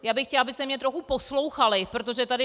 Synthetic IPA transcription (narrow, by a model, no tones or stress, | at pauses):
jaːbɪxcɛlʔabɪst̪ɛmɲɛt̪ɾoxupo̞slo̞wxalɪpɾot̪̬o̞ʒɛt̪adɪ